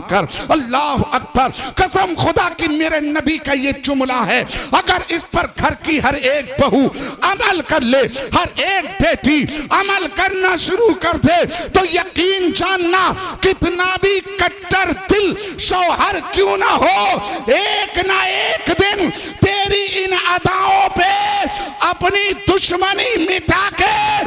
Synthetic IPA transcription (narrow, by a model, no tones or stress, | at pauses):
kɐɾɐlːaːɦɐk̚bəɾkɐsəmxʊd̪akimeːɾenɐbikajet͡ʃʊmlaɦɛːɐɡəɾɪspɐɾɡʱɐɾkiɦɐɾeːk̚bɐɦuɐməlkɐɾleːhɐɾeːk̚beːʈiɐməlkɐɾnaʃʊɾukɐɾd̪et̪ojɐqiːnd͡ʒaːnːakɪt̪nabʱikɐʈːəɾd̪ɪlsəwɦɐɾkjũnɐɦoeːknaeːkd̪ɪnt̪eːɾiɪnɐd̪aːõpe | ɐpnid̪ʊʃmənimɪʈʰake